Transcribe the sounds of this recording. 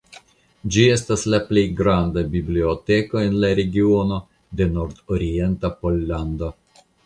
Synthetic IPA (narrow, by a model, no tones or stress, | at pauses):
d͡ʒie̞staslaplejɡɾandabiblio̞te̞ko̞e̞nlaɾe̞ɡio̞no̞ | de̞no̞ɾdoɾie̞ntapo̞lːando